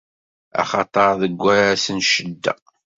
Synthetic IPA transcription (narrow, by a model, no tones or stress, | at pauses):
ɑ̰χɑt̪ˤəɾˤðəɡʷːæɾæsənʃəd̪ːæ̰